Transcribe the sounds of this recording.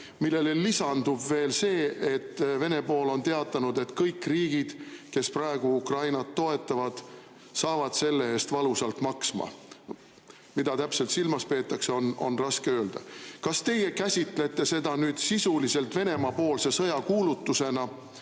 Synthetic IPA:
milːe̞lelisɑnd̪ubve̞ːlse̞ːʔet̪ːve̞ne̞po̞ːlo̞nt̪e̞ɑt̪ːˑɑnud̪e̞t̪kɤjkːriːɡ̥id̪̥ke̞sprɑeɡ̥uukrɑjnɑt̪ːo̞e̞t̪ːˑɑvɑd̪̥ | sɑːvɑd̪̥se̞lːe̞eːst̪vɑlusɑlt̪mɑksmɑ̰ | mid̪̥ɑt̪æpse̞lt̪silmɑspe̞ːt̪ːˑɑkseono̞̰nrɑskeøːld̪̥ɑ̰kɑst̪e̞je̞kæsʲit̪ˑle̞t̪ˑːe̞se̞d̪̥ɑnyːd̪̥sisulise̞lt̪ve̞ne̞mɑpo̞ːlsesɤ̞jɑkuːlut̪ːuse̞nɑ

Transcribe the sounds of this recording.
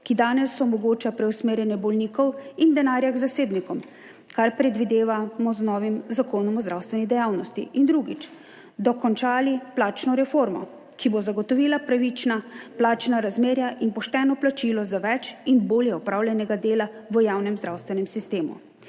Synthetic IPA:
kid̪aːnɛsɔmɔɡoːt͡ʃapɾɛwsmeːɾjɛnjɛbɔlniːkɔwind̪ɛnaːɾjaɡzaseːbnikɔm | kaɾpɾɛd̪ʋid̪eːʋamɔznɔːʋimzakoːnɔmɔzɾawst̪ʋɛnid̪ɛjaːwnɔst̪ḭʔind̪ɾuɡit͡ʃ | d̪ɔkɔnt͡ʃaːliplaːt͡ʃnɔɾɛfoɾmɔ̰ | kibozaɡɔt̪ɔʋiːlapɾaʋit͡ʃnaplaːt͡ʃnaɾazmeːɾjaʔinpɔʃt̪ɛnɔplat͡ʃilɔzaʋɛt͡ʃinboːljɛɔpɾaːwljɛnɛɡad̪eːlaʋəjaːwnɛmzd̪ɾawst̪ʋɛnɛmsist̪eːmṵ

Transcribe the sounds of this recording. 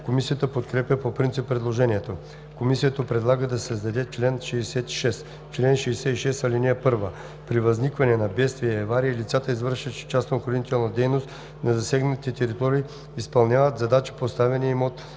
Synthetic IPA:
komisijət̪əpot̪kɾɛpjəpopɾint̪sipːɾɛd̪lˠoʒɛniɛt̪o | komisijət̪əpɾɛd̪lˠaɡəd̪ɐsɐzd̪ɐd̪ɛt͡ʃlɛnʃɛːsɛt̪i̥ʃɛs | t͡ʃlɛnʃɛːsɛt̪iʃɛsɐlʲiniɛpɤɾvə | pɾivɐznikvɐnɛnɐbɛt̪st̪viɛːvaɾiəilit̪sat̪əizvəɾʃəʃt͡ʃasoxoɾnit̪ɛlˠnɐd̪ɛjnost̪ | nɐzɐsɛɡnət̪it̪ɛɾit̪ɔɾiː | ispɐlˠnʲavət̪zɐd̪at͡ʃi̥post̪avɛniimot̪

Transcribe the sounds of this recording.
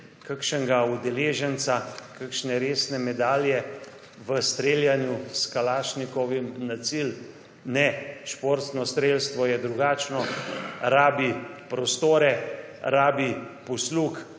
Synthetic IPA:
kakʃəŋɡaud̪ɛleːʒənt̪sakakʃnɛɾeːsnɛmɛd̪aːljɛ | ʋəst̪ɾeljanjuskalaːʃnikɔʋimnat̪sil | nɛʃpoɾt̪snɔst̪ɾeːlst̪ʋɔjɛd̪ɾuɡaːt͡ʃnɔɾaːbipɾɔst̪oːɾɛɾaːbipɔsluːk

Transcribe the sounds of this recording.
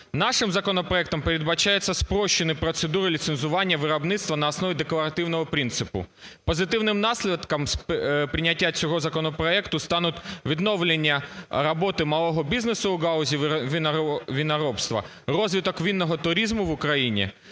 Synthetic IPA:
nɑʂɪmzɐkɔnɔpɾɐɛk̚t̪ɐmpeɾʲɪd̪bɐt͡ɕajɛt̪sːɐspɾɔɕːɪnɪpɾɔt̪sed̪uɾɪlʲit̪senzʊʋɑnʲːjɐʋɪɾɐbnɪt̪st̪ʋɐnɐːsnɔʋʲid̪eklˠɐɾɐt̪ɪwnɔɦɔpɾʲint̪sɨpʊ̰pɔzɪt̪ɪwnɪmnɑsʲlʲɪt̪kɐmspɾʲɪnʲatʲːat͡sʲɔɦɔzɐkɔnɔpɾɐɛkt̪ʊst̪ɑnʊt̪ʋʲid̪noʋlʲenʲːɐɾɐbɔt̪ɪmɐlˠɔɦɔbʲiznesʊʊɡaʊzʲiʋʲɪʋʲinɐɾɔpst̪ʋɐ̰ | rɔzʲʋʲɪt̪ɔkʋʲinːɔɦɔt̪ʊɾʲizmʊʋʊkɾɐjinʲɪ̰

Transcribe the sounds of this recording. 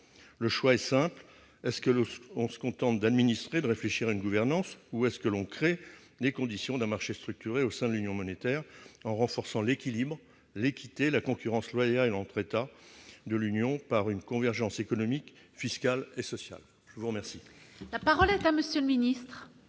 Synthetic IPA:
ləʃwaɛsɛ̃pl | ɛskəɔ̃sə̥kɔ̃t̪ɑ̃t̪̚d̪ad̪minist̪χed̪əʁefleʃiʁaynɡuvɛʁnɑ̃suɛskəlɔ̃kχe | d̪ekɔ̃d̪isjɔ̃d̪ɛ̃maʁʃest̪χyk̚t̪yʁeosɛ̃d̪əlynjɔ̃mɔnet̪ɛʁɑ̃ʁɑ̃fɔʁsɑ̃lekʲilibʁ | lekʲit̪elakɔ̃kʲyʁɑ̃slwajalɑ̃t̪χet̪ad̪əlynjɔ̃paʁynkɔ̃vɛʁʒɑ̃sekɔnɔmik | fiskalesɔsja̰l | ʒ̥əvuʁəmɛʁsilapaʁɔlɛt̪aməsjøləminist̪χ

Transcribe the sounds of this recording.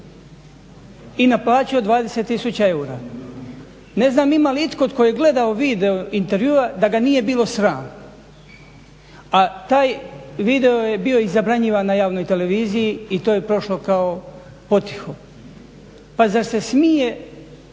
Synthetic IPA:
inaplˠaːt͡ɕio̞d̪ʋaːd̪e̞set̪ːisut͡ɕae̞uːɾaː | ne̞znaːmimaliit̪kot̪kojjeɡle̞d̪aoʋiːd̪e̞oint̪e̞ɾʋjuːad̪aɡanije̞biːlˠo̞sɾaːno | at̪aːjʋiːd̪e̞oje̞bio̞izabɾaɲiʋanːajaːʋno̞jt̪e̞le̞ʋiːzijiit̪oːjepɾo̞ʃlo̞kao | po̞t̪i̥xo̞ | pazaɾse̞smije

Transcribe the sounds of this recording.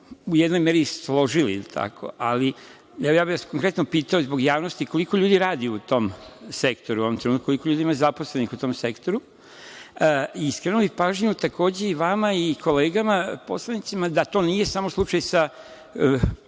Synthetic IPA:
ujed̪no̞jmeɾislˠo̞ʒilḭḭlt̪ʰa̰kʰo̞̰ʔali | ɛʋojaːbiʋasko̞ŋkɾet̪nopiːt̪aozbo̞ɡjaːʋno̞st̪iko̞liko̞ʎuːd̪iɾaːd̪iut̪o̞msekt̪o̞ɾuoʋomt̪ɾeut̪kukolikoʎuːd̪iimazapo̞slenixut̪o̞ːmse̞kt̪o̞ɾu | iskɾenubipaːʒɲut̪ako̞ːd͡ʑeiʋamaikʰo̞leːɡamapo̞slˠanit̪simad̪at̪o̞ːnije̞samoslˠut͡ʃajsa

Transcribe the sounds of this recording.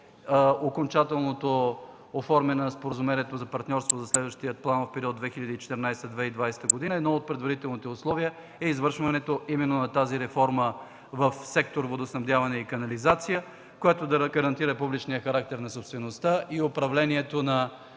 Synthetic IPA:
okont͡ʃat̪ɛlˠnot̪o | ofɔɾmɛnɐspoɾəzʊmɛnʲiɛt̪ozɐpɐɾt̪nʲɔɾst̪vozɐslɛd̪vɐʃt̪ijət̪̚plˠanfpɛɾiɔd̪d̪vɛxiʎʲɐd̪it͡ʃɛ̥t̪ɛɾnajst̪əd̪vɛid̪vajsɛ̥t̪əɡod̪inəɛd̪nɔot̪̚pɾɛd̪vɐɾit̪ɛlˠnit̪ɛʊslˠɔviɛ | ɛizvəɾʃvɐnɛt̪oʔimɛnːonɐt̪aziɾɛfɔɾmə | vəfsɛk̚t̪oɾvod̪osnɐvd̪javɐnɛikɐnɐlizat̪sijə | koɛt̪od̪ɐɡɐɾɐnt̪iɾɐpublit͡ʃniəxɐɾak̚t̪ɛɾnɐsopst̪vɛnost̪aʔiopɾɐvlɛniɛt̪onɐ

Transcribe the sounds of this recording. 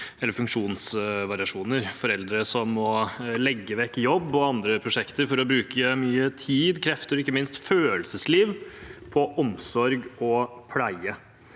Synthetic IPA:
ɛlːəɾfʉŋkʂuːnsʋɑɾɪɑʂuːnəɾfɔɾɛld̪ɾəsɔmːɔlɛɡːəʋɛkːjɔbːɔɑnd̪ɾəpʰɾʊʂɛkt̪əɾfɔɾɔbɾʉːkʰəmyːət̪ʰiːd̪kʰɾɛft̪əɾɔɪkːəmɪnst̪føːəlsəsliːʋpʰɔʔɔmsɔɾɡɔpʰlæɪə

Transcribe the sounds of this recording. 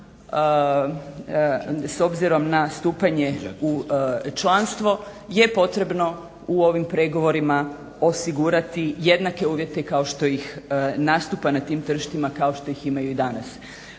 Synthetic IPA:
so̞bziɾo̞mnast̪uːpaɲe̞ut͡ʃlanst̪ʋo̞je̞po̞t̪ɾe̞bno̞ | uo̞ʋimpɾe̞ɡo̞ʋo̞ɾima | o̞siɡuɾat̪ije̞d̪nake̞uːʋje̞t̪e̞kao̞ʃt̪o̞jixnaːst̪upanat̪iːmt̪r̩ʃt̪imakao̞ʃt̪o̞jiximajuid̪anas

